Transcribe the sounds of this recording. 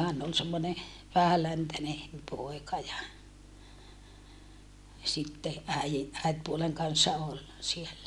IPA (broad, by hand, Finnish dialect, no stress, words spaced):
hæn ol semːone ʋæhælæntæne poˑikɑ jɑ sitːe æiji æitpuoleŋ kɑnsːɑ ol sielːæ